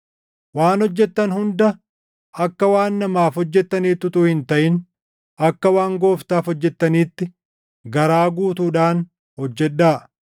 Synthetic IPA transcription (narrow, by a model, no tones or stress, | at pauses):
waːnɔd͡ʒːɛt̪ːɐnhʊnd̪ɐ | ʔɐkːɐwaːnːɐmaːfhɔd͡ʒːɛt̪ːɐniːt̪ːʊt̪uːhɪnt̪ɐʔɪn | ɐkːɐwaːŋɡo̞ːft̪aːfɔd͡ʒːɛt̪ːɐniːt̪ːɪ | ɡɐɾaːɡuːt̪uːᶑaːn | hɔd͡ʒːɛᶑːaː